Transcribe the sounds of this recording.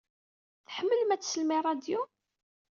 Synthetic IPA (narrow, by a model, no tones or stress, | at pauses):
θħəmːəlmæt͡sːsəlmirˤɑd̪ju